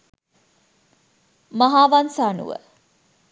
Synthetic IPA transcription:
maɦaːʋansaːnṵʋə̰

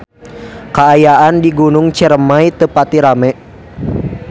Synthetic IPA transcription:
kaːjaʔandiɡunʊŋt͡ʃəɾəmait̪əpat̪iɾamɛ

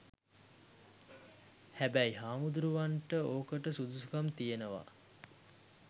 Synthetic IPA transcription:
hæbæjɦaːmud̪uɾuʋaɳʈəoːkəʈəsud̪usukamt̪ijenəʋa̰

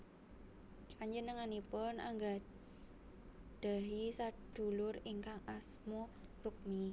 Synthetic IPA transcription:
kaɲd͡ʒənəŋanipʊnʔa̰ŋɡa | d̪̥a̤ɦisad̪̥ṳlʊriŋkaŋasmɔruk̚mi

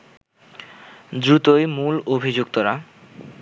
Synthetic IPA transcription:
d̪ɾut̪ojmulobʱid͡ʑukt̪oɾa

